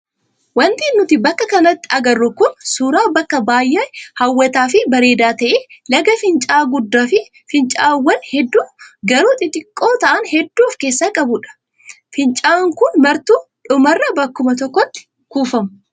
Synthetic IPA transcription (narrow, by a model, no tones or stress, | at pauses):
wɐnt̪ɪːnːʊt̪ɪbɐkːɐkɐnɐt̪ːɪɐɡɐrːʊkʊnsuːɾaːbɐkːɐbaːjːeːhɐwːɐt̪aːfɪbɐɾe̞ːd̪aːt̪ɐʔeːlɐɡɐfɪnt͡ʃʼaːɡʊd̪ːaːfɪ | fɪnt͡ʃʼaːwːɐnhɛd̪ːuːɡɐɾuːt̪ʼɪt̪ʼɪkʼːo̞ːt̪ɐʔɐnhɛd̪ːuːfke̞ːsːaːkʼɐbʊᶑɐ̥ | fɪnt͡ʃʼaːŋkʊnmɐɾt̪uːᶑʊmɐrːɐbɐkːʊmɐt̪ɔkːɔt̪ːɪ̥ | kuːfɐmʊ̥